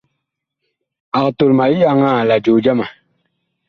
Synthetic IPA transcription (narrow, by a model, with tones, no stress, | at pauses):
a˨kto˨lma˨i˦ja˨ŋa˦˨la˨d͡ʒo˨d͡ʒa˦ma˨